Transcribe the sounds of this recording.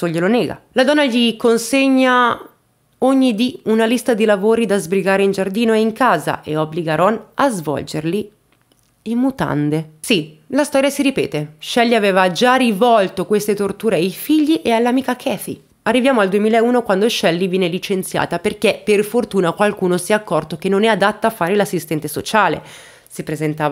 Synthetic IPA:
soʎːeloneːɡa̰lad̪ɔnːaʎikonseɲːa | oɲːid̪iunalist̪ad̪ilavoːɾid̪azbɾiɡaːɾeind͡ʒard̪iːnoeiŋkaːza̰ʔeobliɡaɾɔnazvɔ̰ld͡ʒerli | imːut̪a̰nd̪esilast̪ɔːɾjasiɾipɛ̰ːt̪eʃɛlːiaveːvad͡ʒarivɔlt̪okwest̪et̪ort̪uːɾeajfiʎːiʔealːamiːkakʰɛθḭ | arːivjaːmoald̪uemiːlaeuːnokwand̪oʃɛlːivjɛːnelit͡ʃent̪sja̰ːt̪aperkeperfort̪uːnakwalkuːnosiɛakːɔrt̪ok̟enːonɛad̪at̪ːaafːaːɾelasːist̪ɛnt̪eso̰t͡ʃaːlḛ | sipɾezent̪aːva

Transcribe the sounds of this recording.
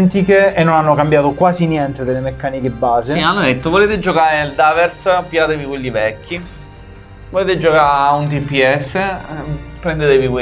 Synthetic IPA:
nt̪ikeenːonanːokambjaːt̪okwaːzinjɛnt̪ed̪elːemekːaːnikebːaːzeianːod̪et̪ːovoleːt̪ed͡ʒokaːɾeld̪aːveɾspjaːt̪evikwelːivɛkʰːi | voleːt̪ed͡ʒokaunt̪̬ipːiɛsːe | pɾend̪et̪evike

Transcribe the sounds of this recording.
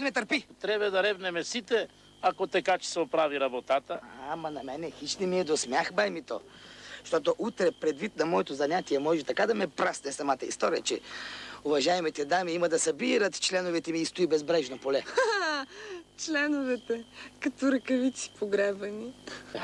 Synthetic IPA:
mɛt̪ɐɾpit̪ɾɛbɛd̪ɐɾɛbnɛmɛsit̪ɛ | akot̪ɐkat͡ʃɛ̥sɛopɾaviɾɐbot̪at̪əamɐnɐmɛnɛxit͡ʃnɛmiɛd̪osmʲjaxbajmit̪o̰ʃt̪ɔt̪oʔut̪ɾɛpɾɛd̪vit̪̚nɐmɔɛt̪ozɐɲʲat̪iɛmɔʒɛt̪ɐkad̪ɐmɛpɾasnɛsɐmat̪əḭst̪ɔɾijət͡ʃɛ̰ʊvɐʒaɛmɛt̪ɛd̪amiiməd̪ɐsɐbiɾət̪t͡ʃlɛnovɛt̪ɛmiːst̪ʊibɛzbɾɛʒnopolɛ | t͡ʃlɛnʊvɛt̪ɛkɐt̪oɾɐkɐvit̪si̥poɡɾɛbvɐni

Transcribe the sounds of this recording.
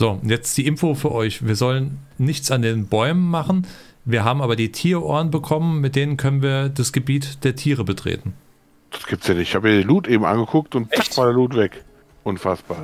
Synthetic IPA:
z̥oːʊnjɛt͡std̥iːʔɪmfofyːɐʔɔʏçv̥iːɐzɔlənːɪçt͡sandeːnbɔʏmənmaχn̩ | viːɐɦaːbm̩ʔaːbɐdiːtʰiːɐʔo̰ːɐnbəkʰɔmənmɪt̚d̥eːnənkʰœnənviːɐdasɡ̥əbiːtd̥eːɐtʰiːʁ̞əbətʁ̥ḛːtn̩ | d̥ḁsɡ̥iːp̚tsjaːnɪçthaːbəmiːɐdiːluːtʔeːbm̩ʔa̰nɡəkʰʊk̚tʊnt̚t͡sakvaːdeɐluːtv̥ɛk | ʔʊnfasb̥aːɐ

